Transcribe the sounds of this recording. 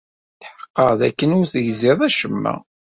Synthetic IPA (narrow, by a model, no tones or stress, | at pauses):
θħə̥qːəʁðæ̰kːənʊɾθəʝzɪðˤæʃəmːæ̰